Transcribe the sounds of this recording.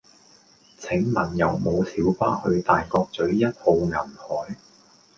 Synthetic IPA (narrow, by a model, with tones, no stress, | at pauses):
t͡sʰɪ˨˥ŋmɐ˨˩njɐ˨˧wmo˨˧wsʰiː˨˥wfaː˥hɵ˧ɥt̪aː˨jkɔː˧k̚t͡sɵ˨˥ɥjɐ˥t̚ho˧wŋɐ˨˩nhɔː˨˥j